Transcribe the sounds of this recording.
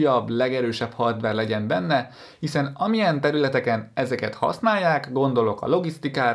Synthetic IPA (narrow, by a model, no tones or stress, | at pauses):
jɒbːlɛɡɛɾøːʃɛphɒrd̪ʋɛrlɛɟɛmbɛnːɛ | hisɛnɒmijɛnt̪ɛɾylɛt̪ɛkɛnɛzɛkɛt̪hɒ̰snaːjːaːkɡo̞nd̪o̞lo̞kɒ̰lo̞ɡist̪ikaː